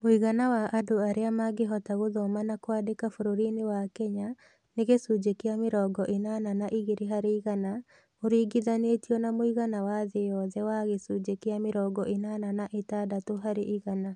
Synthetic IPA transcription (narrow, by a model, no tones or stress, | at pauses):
moiɣanawaʔadoaɾeamaɡeɦɔtaɣoðɔmanakwaːdekafoɾoɾinewakɛɲa | neɣesud͡ʒekeameɾɔɡɔʔenananaʔiɣeɾeɦaɾeiɣana | oɾiːɡiðanetiɔnamoiɣanawaðejɔðɛwaɣesud͡ʒekeameɾɔːɡɔʔenananaʔetadatoɦaɾeʔiɣana